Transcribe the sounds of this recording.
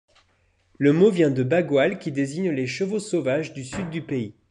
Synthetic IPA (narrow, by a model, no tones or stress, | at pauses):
ləmovjɛ̃d̪əbaɡwalkʲid̪eziɲleʃəvosovaʒd̪ysyd̪ːypei